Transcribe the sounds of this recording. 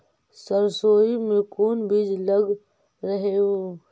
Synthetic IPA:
səɾsoːimẽkuːnbid͡ʒləɡ | ɾəɦeo

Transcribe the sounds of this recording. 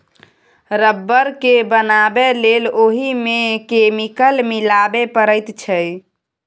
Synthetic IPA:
ɾəbːəɾkebənabeleloɦimekemikəlmilabepəɾəɪt̪t͡ʃʰəj

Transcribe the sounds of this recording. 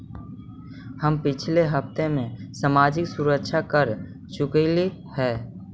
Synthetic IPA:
həmpɪt͡ʃʰleɦɐpt̪emẽsamaːd͡ʒɪksʊɾəkʃʰakəɾ | t͡ʃʊkelihɛː

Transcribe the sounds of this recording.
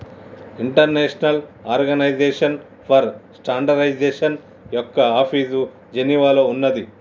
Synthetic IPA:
iɳʈɐɾneːʂɐnɐlaːɾɡɐnɐjd͡ʒeːʂɐn | pʰɐɾsʈaːɳɖɐɾɐjd͡ʒeːʂɐn | jɔkːɐaːpʰiːsu | d͡ʒeniʋaːloːunːɐd̪i

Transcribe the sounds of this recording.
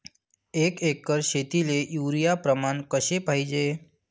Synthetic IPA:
ekekːəɾʃet̪ilejuːɾijapɾəmankəʃepaid͡ʒe

